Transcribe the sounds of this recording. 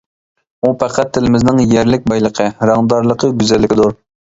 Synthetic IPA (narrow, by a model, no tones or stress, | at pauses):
upʰæqʰæt̪ʰːɪlɪmɪznɪŋjæɾlɪk̚ʲbɑjlˠəqʰəɾɑŋd̪ɑɾlˠəqʰəɡʲyzɛlːɪkʲɪd̪uɾ